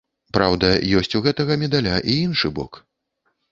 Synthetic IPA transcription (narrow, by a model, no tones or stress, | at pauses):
pɾawd̪ɐjɔsʲt͡sʲuɣɛt̪ɐɣɐmʲɛd̪alʲaʔiinʂɨbɔ̰k